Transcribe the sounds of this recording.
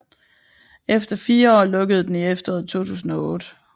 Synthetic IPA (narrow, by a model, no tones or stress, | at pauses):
efd̥ɐfiːɐɒːlɔ̽ɡ̥əð̩ˠd̥eniefd̥ɐɒ̰ːð̩ˠt͡sʰo̝̰ːt͡sʰṵːsn̩ɒ̽ɔ̽ːd̥ə